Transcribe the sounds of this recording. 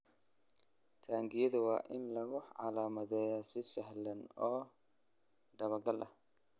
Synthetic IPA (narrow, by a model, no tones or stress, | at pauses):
t̪ʰaːŋɡɪjɐðɐwɑːʔɪnlɐɣʊʕɑ̰laːmɐðɛːjɔsɪsɐhlɐnɔː | ɖɐβɐɡɐlʔɐh